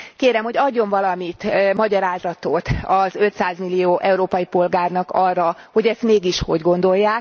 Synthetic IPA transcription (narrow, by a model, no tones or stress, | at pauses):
keːɾɛmho̞ɟɒɟːo̞ɱvɒlɒmit̪mɒɟɒɾaːzɒt̪ot̪ɒzø̞t̪saːzmilːijoːʔɛuɾoːpɒjipo̞lɡaːrnɒkɒrːɒho̞ɟɛst̪meːɡiʃho̞̰ɟɡo̞n̪d̪o̞jːaːk